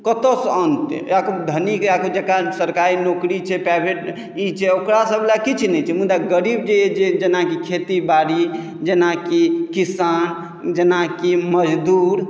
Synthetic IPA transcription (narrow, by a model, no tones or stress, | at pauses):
kət̪osənt̪akod̪ʱənikakod͡ʒekasəɾkaɾinokɾit͡ʃʰɛpajbʱeʈ | it͡ʃʰɛokɾasəblakit͡ʃʰnɛt͡ʃʰɛmud̪aɡəɾib̚d͡ʒeed͡ʒed͡ʒenakikʰet̪ibaɾi | d͡ʒenakikisan | d͡ʒenakiməd͡ʒd̪uːɾ